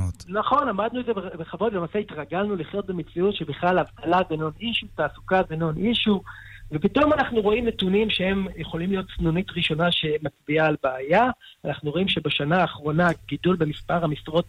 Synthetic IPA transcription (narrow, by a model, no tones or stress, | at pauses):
naχo̞namadnuezebebeχavo̞d̪lemaːseitʁaɡalnuliχjo̞t̪̚bemet͡siutʃebeχlalavtalabeno̞niʃutaːsukabeno̞nʔiʃuve̞pito̞manaχnuʁo̞imnetunimʃehe̞mjeχo̞limlijo̞t̪̚t͡snunitʁiʃo̞naʃe̞mat͡sbiaːlbeaja | anaχnuʁo̞imʃe̞beʃanaːχʁo̞naɡ̥idulbe̞mispaʁhamisʁo̞t